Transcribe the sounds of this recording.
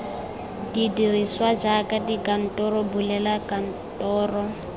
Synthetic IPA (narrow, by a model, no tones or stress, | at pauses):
didiriswad͡ʒakadikʼan̩tʼɔɾɔbulɛlakan̩ | tʼɔːrɔ